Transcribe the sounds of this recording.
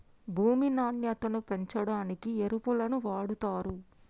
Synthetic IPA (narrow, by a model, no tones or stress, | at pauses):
bʱuːminaːɳjɐt̪ɐnupe̞ɲt͡ʃɐɽaːnikieɾupulɐnuʋaːɽut̪aːɾu